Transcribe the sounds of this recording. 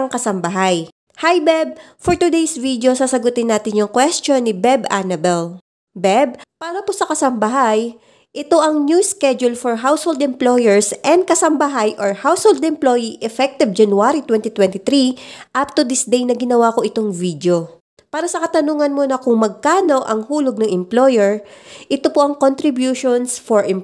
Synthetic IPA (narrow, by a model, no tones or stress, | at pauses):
ɐŋkɐsɐmbɐɦaj | hajbɛb̚foɹt̪ʊd̪ejsvid̪jo̞sasɐɡʊt̪ɪnːaːt̪ɪnjʊŋkwɛst̪o̞nːɪbɛbʔanɐbɛl | bɛb̚paːɾɐposɐkɐsɐmbɐɦaj | ʔɛt̪o̞ʔɐŋnjuskɛd͡ʒʊlfoɹɦawshold̪ɛmplojɛɹsʔɛnd̪̚kɐsɐmbɐɦajʔoɹhawshold̪ɛmplojiʔɛfɛk̚t̪ɪvd͡ʒɐnwaɾit̪wɛnt̪it̪wɛnt̪ɪt̪ɾiʔap̚t̪ʊd̪ɪsd̪ejnɐɡɪnɐwako̞ʔɪt̪o̞ŋvid̪jo̞ | paːɾɐsɐkɐt̪ɐnuːŋɐnmonɐkʊŋmɐɡ̚kaːno̞ʔɐŋhuːloɡ̚nɐŋɪmplo̞jɛɹʔɪt̪opoʔɐŋkont̪ɾɪbjuːʃonsfoɹʔɛm